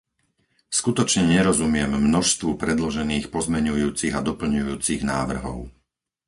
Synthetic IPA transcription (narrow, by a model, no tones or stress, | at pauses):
skut̪ɔt͡ʃɲɛɲɛɾɔzumɪɛmːnɔʃst̪ʋupɾɛd̪lɔʒɛniːxpɔzmɛɲujuːt͡siɣad̪ɔpl̩ɲujuːt͡siɣnaːʋr̩ɦɔ̰ʊ